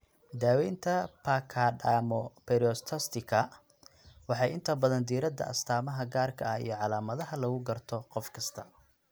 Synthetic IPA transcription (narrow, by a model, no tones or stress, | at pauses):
d̪aːwɛjnt̪ʰɐpʰakʰaːɖaːmɔpɛɾɔst̪ʰɐst̪ʰɪkʰɐ | wɑħɑjɪnt̪ʰɐbɐðɐnd̪iːɾɐd̪ɐ̰ʔɐ̰st̪ʰaːmɐɦɐɡaːrkʰɐɐḭjɞʕɑlaːmɐðɐɦɐlɐɣʊɡɐrt̪ʰɔqɔfkʰɐst̪ʰɐ